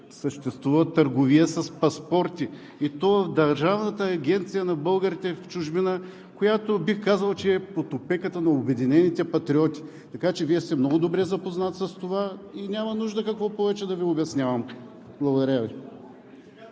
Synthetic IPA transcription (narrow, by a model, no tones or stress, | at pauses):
səʃt̪ɛst̪vuvɐt̪əɾɡoviəsɐspɐspɔɾt̪ʲi | it̪ɔvəfd̪ɐɾʒavnət̪əːɡʲɛnt̪sijənɐbɤlˠɡəɾit̪ɛft͡ʃuʒbinə | kojat̪obixkazɐlˠt͡ʃɛːpot̪opɛkət̪ənɐobɛd̪inɛnit̪ɛpɐt̪ɾʲiɔt̪ʲi̥ | t̪ɐkat͡ʃɛviɛst̪ɛmnɔɡʊd̪obɾɛzɐpoznat̪sɐst̪ovainʲamɐnuʒd̪əkɐkvɔpɔvɛt͡ʃɛd̪ɐviobɛsnʲavɐm | blˠɐɡod̪ɐɾʲəvi